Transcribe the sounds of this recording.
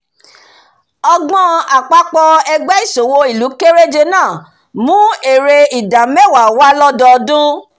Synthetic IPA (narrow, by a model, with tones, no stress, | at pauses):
ɔ˧ɡ͡bɔ̃˦a˨k͡pa˧˦k͡pɔ˧ɛ˧ɡ͡bɛ˦i˦˨so˨wo˧i˦˨lu˨˦ke˦ɾe˦d͡ʒe˧nãː˦˨ | mũ˨˦e˨ɾe˧i˨da˨mɛ˦˨wa˨wa˦lɔ˦dɔ˧dũ˦